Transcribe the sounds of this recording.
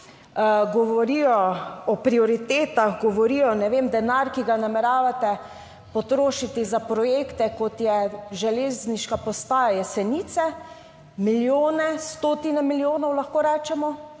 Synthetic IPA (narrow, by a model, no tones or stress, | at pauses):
ɡɔʋɔɾijɔɔpɾiɔɾit̪eːt̪aɣɡɔʋɔɾiːjɔnɛʋemd̪ɛnaɾkiɡanamɛɾaːʋat̪ɛ | pɔt̪ɾoːʃit̪izapɾɔjekt̪ɛkɔt̪jɛʒɛleːzniʃkapɔst̪aːjajɛsɛniːt̪sɛ | miljoːnɛst̪oːt̪inɛmiljoːnɔwlaxkoːɾɛːt͡ʃɛmɔ